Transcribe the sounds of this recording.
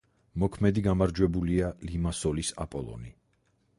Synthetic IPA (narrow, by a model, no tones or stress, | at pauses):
mɔkʰmɛd̪iɡamaɾd͡ʒwɛbulialimasɔlisa̰pʼɔlˠɔ̰ni